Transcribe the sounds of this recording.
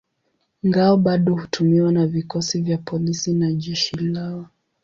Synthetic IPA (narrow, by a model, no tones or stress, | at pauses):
ŋɡaɔɓaɗɔhutʰumiwanavikɔsivjapʰɔlisinaʄɛʃilaɔ